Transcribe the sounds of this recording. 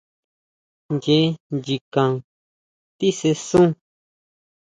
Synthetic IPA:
nd͡ʒe˨˦nd͡ʒi˧kã˨ | t̪i˦se˧sũ˦

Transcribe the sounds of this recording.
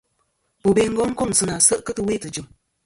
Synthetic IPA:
bo˨be˨ŋ̩˦ɡɔ˦ŋ̩˦ko˦˨ŋ˨sɨ˨na˨sɨ˦ʔkɨ˦tɨ˨we˦˨tɨ˨d͡ʒu˨m

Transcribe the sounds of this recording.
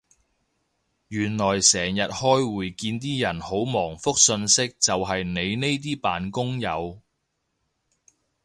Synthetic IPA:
jyː˨˩nlɔː˨˩jsɛː˨˩ŋjɐ˨t̚hɔː˥jwuː˨jkiː˧nt̪̬iː˥jɐ˨˩nho˨˥wmɔː˨˩ŋfʊ˥k̚sɵ˧nsɪ˥k̚t͡sɐ˨wɦɐ˨jne˨˧jne˥jt̪̬iː˥paː˨nkʊ˥ŋjɐ˨˧w

